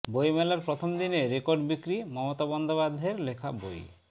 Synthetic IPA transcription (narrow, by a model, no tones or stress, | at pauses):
bojmelaɾpɾot̪ʰɔmd̪ineɾekoɾɖbikɾimɔmot̪abɔnd̪obad̪ʱeɾlekʰa̰bo̰j